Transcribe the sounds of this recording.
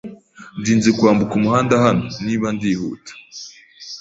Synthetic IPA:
ndiːnzikwaːmbukumuhaːndahanoniːβandiːhṵːtḁ

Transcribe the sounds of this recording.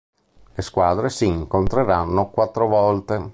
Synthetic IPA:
leskwaːd̪ɾesiːŋkont̪ɾeɾanːokwat̪ːɾovɔlt̪e

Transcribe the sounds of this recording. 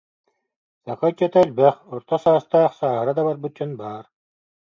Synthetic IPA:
saχajt͡ɕɛt̪alʲbɛχɔɾt̪ɔsaːst̪aːχsaːɦɯɾad̪aβaɾbɯt̪̚d͡ʑɔnbaːɾ

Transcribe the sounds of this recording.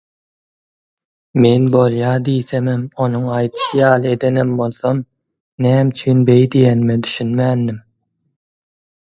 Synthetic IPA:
me̞nbo̞lˠjɑːd̪ijθememo̞nuŋɑjt̪ʰɯ̥ʃɯjɑːlˠɯe̞d̪e̞nembo̞lˠθom | næːmt͡ʃʰyːnbe̞jd̪ijenmed̪yʃynmæːnːim

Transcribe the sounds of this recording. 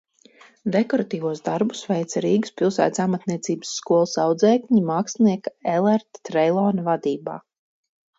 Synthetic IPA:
d̪ekɔɾat̪iːvuɔsd̪aɾbusvɛjt̪saɾiːɡuspilˠsæ̰ːt̪samat̪niɛt̪siːbə̥sːkuɔlˠsawd̪zɛːkɲimaːksniɛkaɛlˠɛɾt̪t̪ɾɛjlˠɔːnvad̪iːba̰ː

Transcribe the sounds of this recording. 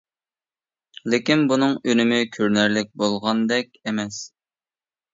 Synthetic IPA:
lɪkʲinbunɨŋynɪmɪkʲʰøɾnæɾlɪk̚ʲbolˠʁɑnd̪ɛk̚ʲemɛs

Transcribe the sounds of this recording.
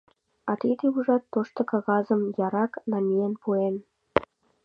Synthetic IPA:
ɑt̪id̪euʒɑt̪ːoʃt̪ŏkɑɣɑzəmjɑɾɑknɑmʲiempuen

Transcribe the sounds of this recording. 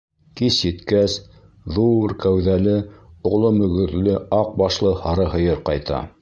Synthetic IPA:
kisjɘ̆t̪kæs | ðuɾkæwðælɘŏʁlˠomɵ̆ɡɵ̆ɾlɘɑq̚bɑʃlˠɤhɑɾɤɦɤ̆jɤɾqɑjt̪ɑ̰

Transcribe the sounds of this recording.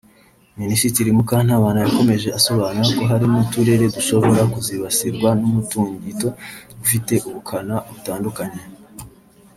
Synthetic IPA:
minisiciɾimukan̥haːβaːnajako̞me̞ʒe̞ʔaso̞βaːnuɾako̞ɦaɾimutuɾe̞ɾe̞duʃo̞βo̞ɾakuziβasiɾɡwanumutuːɲɟito̞dufite̞ʔuβukʰanaʔoβutaːndukaɲe

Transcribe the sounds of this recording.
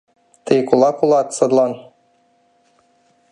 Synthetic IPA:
t̪ɘjkulˠɑkulˠɑt̪sɤ̆d̪lˠɑn

